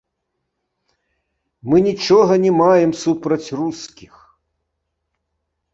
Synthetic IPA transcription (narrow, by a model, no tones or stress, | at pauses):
mɨnʲit͡ʂɔɣɐnʲɛmajɛmsupɾɐt͡sʲruskʲix